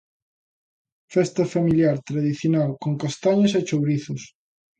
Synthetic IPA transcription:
fɛst̪ɐfamiljaɾt̪ɾaðiθjonalkoŋkast̪aɲɐset͡ʃowɾiθʊs

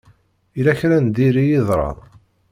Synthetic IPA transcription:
ilæçɾænd̪iɾijiðˤɾˤɑ̰

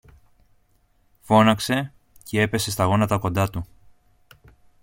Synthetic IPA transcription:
fo̞nɐkse̞ | ce̞e̞pe̞se̞st̪ɐɣo̞nɐt̪ɐko̞nd̪ɐt̪u

